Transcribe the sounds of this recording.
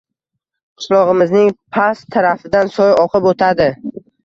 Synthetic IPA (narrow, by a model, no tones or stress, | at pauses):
qʰɨ̥ʃlˠɒʁɨmɪznɪŋpʰast̪ʰaɾafɪd̪ansɒjɒqʰɨpot̪ʰad̪ɪ